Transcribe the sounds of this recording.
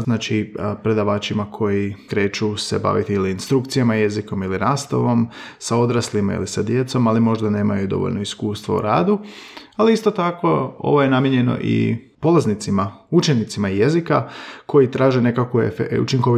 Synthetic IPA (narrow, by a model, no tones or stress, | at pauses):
znaːt͡ʃipɾe̞d̪aʋaːt͡ʃimakʰo̞jikɾe̞ːt͡ʃuseba̰ʋit̪iiliːnst̪ɾukt̪sijamaje̞ziko̞miliɾaːst̪o̰ʋo̞msao̞d̪ɾaslimaḭlisad̪je̞t̪so̞malimo̞ʒd̪ane̞ːma̰jud̪o̞̰ʋoʎno̞iskuːst̪ʋo̰ṵɾa̰ːd̪ualiist̪o̞t̪ako̞o̞̰ʋo̞je̞namjeɲe̞no̞̰ʔḭpo̞laznit̪simaut͡ʃe̞nit̪simaijezikako̞jit̪ɾaːʒene̞kakʋuefṵt͡ʃiŋkoi